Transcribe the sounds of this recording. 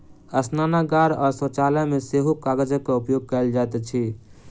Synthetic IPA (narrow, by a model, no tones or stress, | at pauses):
əsnanaɡaɾɔːɾsə̃t͡ʃalameseɦukaɡəd͡ʒəkːeupjoɡ̚kəld͡ʒat̪ɛt͡ʃʰi